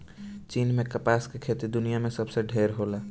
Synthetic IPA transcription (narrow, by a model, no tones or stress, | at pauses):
t͡ʃinmekəpaskekʰet̪id̪unijamesəbseɖʱeɾɦola